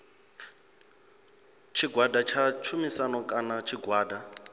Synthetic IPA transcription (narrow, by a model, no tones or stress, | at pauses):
t͡ʃʰiɡwadat͡ʃʰat͡ʃʰumisanɔkʼanat͡ʃʰiɡwaːda